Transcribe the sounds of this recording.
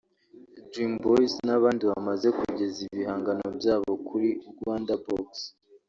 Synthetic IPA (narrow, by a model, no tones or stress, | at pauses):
dɾimbojsnaβaːndiβamaze̞kuɟe̞ziβiɦaːŋɡano̞̰bjaːβo̞kʰuɾiuɡwaːndaboks